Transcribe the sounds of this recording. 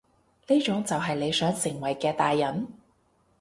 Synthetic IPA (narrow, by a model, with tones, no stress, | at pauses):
niː˥t͡ʃʊ˨˥ŋt͡sɐ˨wɦɐ˨jle˨˧jsœː˨˥ŋsɪ˨˩ŋwɐ˨˩jkɛː˧t̪aː˨jːɐ˨˥n